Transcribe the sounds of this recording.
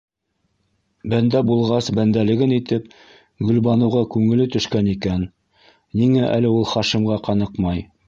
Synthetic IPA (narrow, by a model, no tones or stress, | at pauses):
bænd̪æbulˠʁɑsbænd̪ælɘ̆ɡɘnit̪ɘp | ɡɵ̆lbɑnɤ̆wʁɑkʉŋɘ̆lɘt̪ɵ̆ʃkænikænː | iŋæʔæ̰lɘulˠχɑʃɤ̆mʁɑqɑnɤqmɑj